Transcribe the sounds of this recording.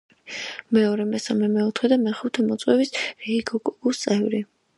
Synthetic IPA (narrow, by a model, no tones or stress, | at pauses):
mɛɔɾɛmɛsamɛmɛɔt̪ʰχɛd̪amɛχut̪ʰɛmɔt̪sʼwɛvisɾiiɡɔkʼuɡust̪sʼɛvɾi